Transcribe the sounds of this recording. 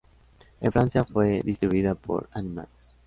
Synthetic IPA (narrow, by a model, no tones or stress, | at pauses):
ẽnfɾansjafweðist̪ɾiβuiðapʰo̰ɾanima̰ls